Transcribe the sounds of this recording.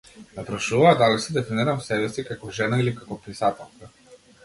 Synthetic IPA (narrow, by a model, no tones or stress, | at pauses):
napɾaʃuvaːd̪alisɛd̪ɛfiniɾamsɛbɛsikakɔʒɛnailikakɔpɾisat̪ɛlˠka